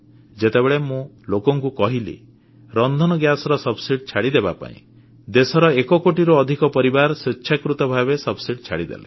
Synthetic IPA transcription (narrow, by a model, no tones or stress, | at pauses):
d͡ʒet̪ebeɭemũ | lokɔŋkukɔɦilḭ | ɾɔnd̪ʱɔnɔɡjasɔɾɔsɔbsiɖt͡ʃʰaɽid̪ebapa̰ḭ̃ | d̪esɔɾɔekɔkoʈiɾɔːd̪ʱikɔpɔɾibaɾɔsitːʃʰakɾut̪ɔbʱabesɔbsiɖt͡ʃʰaɽid̪ḛle